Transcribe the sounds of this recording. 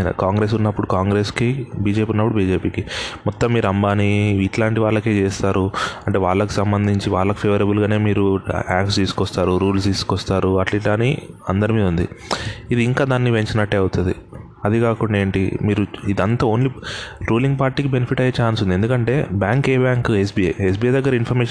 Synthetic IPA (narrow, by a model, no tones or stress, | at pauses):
nɐ̰kaːŋɡɾeːsunːɐpːuɽukaːŋɡɾe̞ːskibiːd͡ʒe̞ːpiːunːɐpːuɽubiːd͡ʒe̞ːpiːkimɔt̪ːɐmːiːɾuɐmbaːniiʈlaːɳʈiʋaːɭːɐke̞ːt͡ʃeːst̪aːɾuɐɳʈe̞ːʋaːɭːɐki̥sɐmbɐnd̪ʱiɲt͡ʃiʋaːɭːɐki̥pʰeːʋɐɾɐbulɡaːne̞ːmiːɾuaːkst̪iːsu̥kɔst̪aːɾuɾuːlst̪iːsu̥kɔst̪aːɾuɐʈliːʈlaːniɐnd̪ɐɾimiːd̪und̪ḭid̪iːŋkaːd̪aːnːiʋe̞ɲt͡ʃinɐʈːeːɐwut̪und̪ḭ | ɐd̪ikaːkuɳɖaeːɳʈḭmiːɾuid̪ɐnt̪ɐoːnliɾuːliŋɡpaːɾʈiːkibenepʰiʈɐjɐt͡ʃaːnsund̪ie̞nd̪ukɐɳʈe̞ːbjaːŋkeːbaːŋkes̬biːɐes̬biːɐjd̪ɐɡːɐɾɐinpʰɐɾmeɛːʃ